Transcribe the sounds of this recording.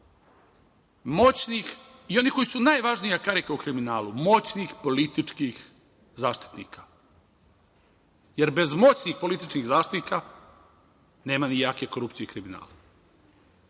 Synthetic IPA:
mo̞t͡ɕnixio̞niko̞jisunajʋaʒnijakaɾikaukɾiminaːlumo̞t͡ɕnixpo̞lit̪it͡ʂkix | zaːʃt̪i̥t̪nḭːkḁ | je̞ɾbe̞zmo̞t͡ɕnixpo̞lit̪it͡ʃkiɣzaːʃt̪it̪nika | ne̞ːmanijaːkeko̞ɾupt̪sijekɾimina̰ːla

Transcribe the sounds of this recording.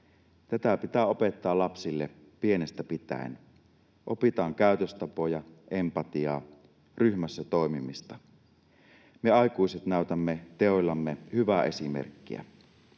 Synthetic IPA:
t̪æt̪æpit̪æːo̞pe̞t̪ːɑːlɑpsilːe | pie̞nest̪æpit̪æ̰ḛn | ʔopit̪ɑːŋkæˑyt̪øst̪ɑpojɑʔempɑt̪iɑ̰ː | ryhmæsːæt̪o̞ˑimimist̪ɑ | meɑikuiset̪næyt̪æmːet̪eolːɑmːehyʋæːʔe̞simḛrkːḭæ̰

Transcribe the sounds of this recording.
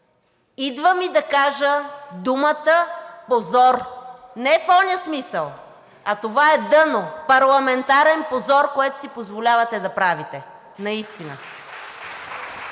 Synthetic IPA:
id̪vəmid̪ɐkaʒəd̪umət̪əpozɔɾnɛfɔnʲiəsmisəlˠ | ɐt̪ovaɛd̪ɤnopɐɾlˠɐmɛnt̪aɾɛnpozɔɾkoɛt̪o̥sipozvolʲavɐt̪ɛd̪ɐpɾavit̪ɛ | nɐist̪inə̰

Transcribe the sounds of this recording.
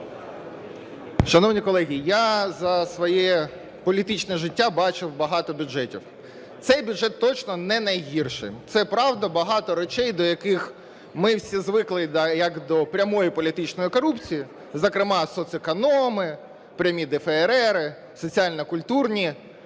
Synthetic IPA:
ʃɐnɔwnʲikɔlˠɛɦʲijazɐsʋɔjɛ | pɔlʲit̪ɪt͡ʃnɛʒɪtʲːabɑt͡ʃɪwbɐɦɑt̪ɔbʲʊd͡ʒɛtʲḭw | t̪sɛjbʲʊdʐɛt̪ːɔt͡ʃnɔnɛnɐjɦirʃɪ̰t̪sɛpɾɑwd̪ɐbɐɦɑt̪ɔɾɔt͡ʃɛjd̪ɔjɐkɪx | mɪwsʲizʋɪklˠɪd̪jɐkd̪ɔpɾʲɐmɔjipɔlʲit̪ɪt͡ʃnɔjikɔɾupt͡sʲiji | zɐkɾɪmɑsɔt̪sɪkɐnɔmɪ | pɾʲɐmʲid̪ɛfɛːɾɛɾɪ | sɔt͡sʲiɑlʲnɐkʊlʲt̪urnʲi

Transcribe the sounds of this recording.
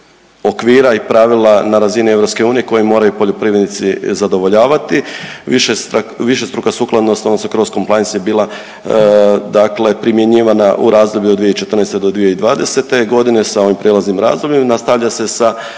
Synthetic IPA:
o̞kʋiːɾaipɾaʋilˠanaɾazinie̞vɾo̞pske̞uːnije̞ko̞jimo̞ːɾajupo̞ʎopɾiːʋɾed̪nit̪sizad̪o̞ʋo̞ʎaːʋat̪iʋiʃeʋiʃest̪ɾukasuːklˠad̪nosonosokɾosko̞mplajensjebiːlˠa | d̪akle̞pɾimje̞ɲiːʋanaʔṵɾaːzd̪o̞bʎuod̪d̪ʋijeit͡ʃet̪ər̩nest̪ed̪o̞d̪ʋijeid̪ʋaːd̪e̞se̞t̪e̞ɡo̞d̪ine̞sao̞ʋimpɾʔelˠaznimɾa̰ːzd̪obʎemnast̪aʋʎase̞sa

